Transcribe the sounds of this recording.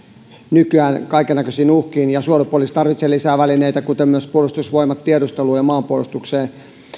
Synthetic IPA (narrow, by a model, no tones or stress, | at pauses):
nykyæːnkɑikenːækøsiːnuhkiːnjɑsuolepuolist̪ɑrʋit̪selːisæːʋælineit̪ækut̪emmyøspuolust̪usʋoimɑt̪t̪iedust̪eluːjɑmɑːmpuolust̪ukseː